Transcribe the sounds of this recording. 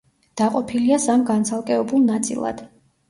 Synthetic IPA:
d̪̥aqʼɔpʰiliasamɡansʰalˠkʼɛɔbulˠnat̪sʼḭlˠa̰d̪̥

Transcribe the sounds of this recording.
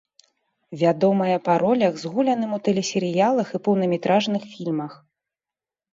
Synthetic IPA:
vʲad̪ɔmɐjɐpaɾɔlʲɐɣzɣulʲɐn̪ɨmut̪ɛlʲɛsʲɛɾɨjalˠɐxipɐwnɐmʲɛt̪ɾaʐnɨxfʲilʲmɐx

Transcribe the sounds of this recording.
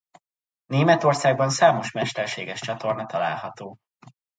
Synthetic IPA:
neːmɛt̪o̞rsaːɡbɒnsaːmo̞ʃmɛʃt̪ɛrʃeːɡɛʃt͡ʃɒt̪o̞rnɒt̪ɒla̰ːlhɒt̪oː

